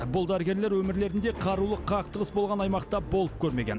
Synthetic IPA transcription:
bʊlˠd̪æɾɪɡʲe̞ɾle̞ɾwɵmɪɾle̞ɾɪnd̪e̞qʰɑɾulˠəqʰɑq̚t̪əʁəsbolˠʁɑnɑjmɑqt̪ɑbo̞lˠəp̚kʲʰɵɾme̞ɡʲe̞n

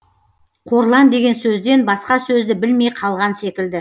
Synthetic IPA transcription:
qʰoɾlˠɑnd̪e̞ɡʲe̞nsɵzd̪e̞nbɑsqɑsɵzd̪ɪbɪlme̞jqʰɑlˠʁɑnse̞kʲɪld̪ɪ

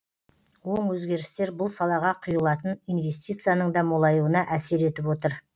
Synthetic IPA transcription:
wo̞ɴwɵzɡʲe̞ɾɪst̪e̞ɾbʊlˠsɑlˠɑʁɑqʰʊjəlˠɑt̪ənijnve̞st̪ijt̪sɨjanəɴd̪ɑmolˠɑjuənɑʔæse̞ɾe̞t̪ɪpwo̞t̪əɾ

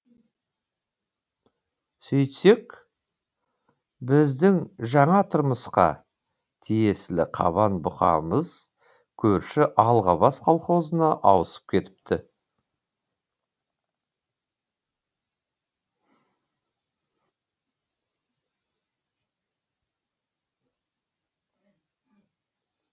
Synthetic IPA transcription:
sɵjt̪se̞k | bɪzd̪ɪŋʒɑɴɑt̪ʰʊɾməsqɑ̰ | t̪ʰije̞slɪqʰɑ̰βɑnbʊχɑ̰məz̥ | kʲʰɵɾʃɪʔɑlˠʁɑβɑsqʰɑlˠχo̞zənɑʔɑwəsə̥p̚kʲʰe̞t̪ɪ̥p̚t̪ʰɪ

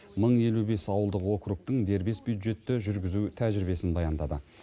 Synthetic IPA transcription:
məɴje̞lube̞sɑwəlˠd̪əqwo̞kɾuk̚t̪əɴd̪e̞ɾbe̞sbjud̪ʒe̞t̪ːɪʒʏɾɡʲɪzut̪ʰæʒɪɾɪbe̞sɪnbɑjɑnd̪ɑd̪ə

